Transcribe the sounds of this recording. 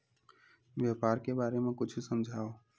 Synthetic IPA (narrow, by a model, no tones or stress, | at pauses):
bjapaːɾkebaːɾemẽkʊt͡ʃʰusəmd͡ʒʱaːo